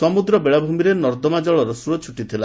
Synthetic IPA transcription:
sɔmud̪ɾɔbeɭabʱumiɾenɔɾd̪ɔmad͡ʒɔɭɔɾɔsuɔt͡ʃʰuʈit̪ʰila

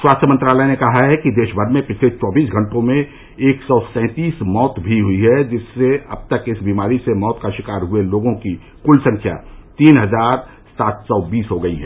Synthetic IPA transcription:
swaːst̪ʰjəmə̃nt̪ɾaːlɛenekɐɦaɦɛkid̪eːʃbʱəɾmẽpɪt͡ʃʰlet͡ʃɔːbiːsɡʱɐ̃ɳʈõmẽ | eːksɔːsɛ̃ːt̪iːsmɔːt̪bʱiɦʊiɦɛd͡ʒɪsːeɐb̚t̪əkɪsbiːmaːɾisemɔːt̪kaʃɪkaːɾɦʊeloːɡõki | kʊlsɐ̃ŋkʰja̰t̪iːnɦɐzaːɾ | saːt̪sɔbiːsɦoɡɐiɦɛː

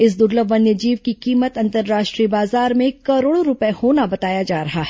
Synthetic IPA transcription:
ɪsd̪ʊɾləʋənjəd͡ʒiːʋkikiːmət̪ɐ̃nt̪əɾːaːʃʈɾiːbaːzaːɾmẽkɐɾoːɽoɾʊpehoːnabɐt̪aːjad͡ʒaːɾɐɦaɦɛ

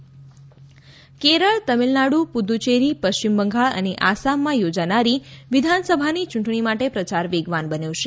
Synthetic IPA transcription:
keɾəɭt̪əmilnaɽupud̪ut͡ʃeɾipəʃt͡ʃimbəŋɡʱaɭə̰neʔasamːãjod͡ʒanaɾiʋid̪ʱansəbʱanit͡ʃũɳʈɳimaʈepɾət͡ʃaɾʋeɡʋanbənjoʃe

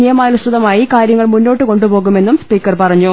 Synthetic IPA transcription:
nijɐmaːlusɐðɐmaːjikaːɾjɐŋːɐɭmunːo̞ːʈːɨko̞ɳɖupo̞ːɣume̞nːumspiːkːɐrpɐrɐɲːu

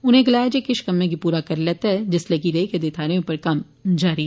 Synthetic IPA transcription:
ʊnɦẽɡɐlaːjed͡ʒekɪʃkɐmːẽɡipuːɾakɐɾlɛːt̪aɦɛd͡ʒɪslɐɡiɾeːked̪eːt̪ʰaːɾeõpɐɾkɐm | d͡ʒaːɾiɛ

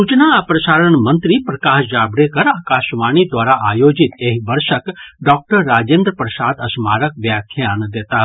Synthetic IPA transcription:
sut͡ʃnaːpɾəʃaːɾəɳmə̃nt̪ɾipɾəkaːʃd͡ʒaːbɾekəɾaːkaːʃʋaːɳid̪ʋaːɾaʔaːjod͡ʒit̪eɦibəɾʃəkɖɔːk̚ʈəɾːaːd͡ʒẽːnd̪ɾəpɾəsaːd̪əsmaːɾəkʋjakʰjand̪eːt̪aɦ

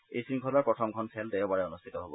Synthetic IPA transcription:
ḛjsɹiŋkʰɔlaɹpɹɔt̪ʰɔmkʰɔnsʰɛldeɔbaɹɛɔnustʰit̪ɔɦobɔ̰

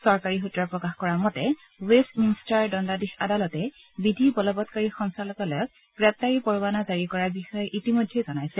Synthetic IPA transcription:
sɔɹkaɹiɦutɹaɹpɹɔkaxkɔɹamɔtɛ | westminstaɹdɔndadixadalɔtɛ | bidʱibɔlɔbɔtkaɹixɔnsalɔkɔlɔjɔk̚ | ɡ̥ɹɛp̚taɹipɔɹubanazaɹikɔɹaɹbixɔjɔʔitimɔjdʱːejzɔnajsɛ

